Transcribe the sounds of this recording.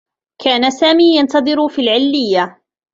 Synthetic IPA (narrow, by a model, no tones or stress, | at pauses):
kʰaːnasaːmiːjant̪ɑðˤɨɾfiːlʕɪlːɪjːa